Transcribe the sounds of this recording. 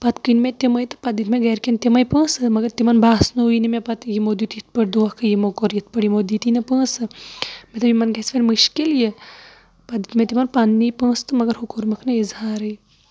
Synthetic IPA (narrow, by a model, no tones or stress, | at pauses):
pɐt̪kɨnmet̪imɐjt̪ɨ̥pɐd̪it̪meɡɐɾkent̪imɐjpə̃ːsɨmɐɡɐɾt̪imɐnbaːsnuujnimepɐt̪jimod̪it̪jit̪̚pɐʈd̪oːhkʰɨjimokoɾjit̪̚pɐɽjimod̪it̪inɐpə̃ːsɨmet̪ɐbimɐnɡɐsfɐnmɨʃkilje | pɐd̪it̪mẽt̪imɐnpɐnːipə̃ːst̪ɨmɐɡɐɾhukoɾmɐkʰnɐizhaːɾɨj